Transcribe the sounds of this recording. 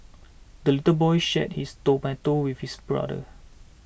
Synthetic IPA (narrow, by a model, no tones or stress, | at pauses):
dəlitəbɔjʃɛ̰t̚histopɛ̃ntowifhisbɹa̰də̰